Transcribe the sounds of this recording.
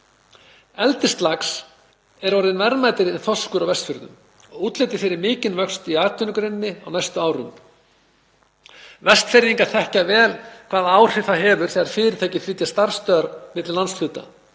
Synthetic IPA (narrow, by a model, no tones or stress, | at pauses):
ɛlt̪ɪst̪laks | ɛɾɔɾðɪnvɛɾmaːjt̪ɪɾɛnθɔskʏɾawvɛst̪fʏɾðʏ̰m | ɔɣuːt̪lejt̪ɪ̥fɛːɾɪɾmɪːcɪnvœkst̪iaːt̪ʏnʏkɾɛnːɪa̰wnajst̪ʏaːwɾʏ̰m | vɛst̪fɛɾjiŋkḁθɛhcavɛːlkʰv̥aːðaːwr̥ɪθaðɦɛːvʏɾ̥θɛɣaɾfɪːɾɪɾt̪ʰaːcɪfɾɪːt̪jḁst̪aɾ̥st̪œːɾmɪt̪llansfʏːt̪a̰